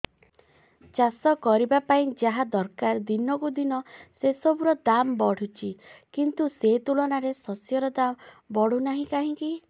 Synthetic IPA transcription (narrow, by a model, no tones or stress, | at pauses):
t͡ʃasɔkɔɾibapaĩd͡ʒaɦad̪ɔɾkaɾd̪inɔkud̪inɔsesɔbuɾɔd̪ambɔɽ̤ut͡ʃʰikint̪uset̪ulɔnaɾesɔsjɔɾɔd̪am | bɔɽ̤unaɦĩkaɦĩki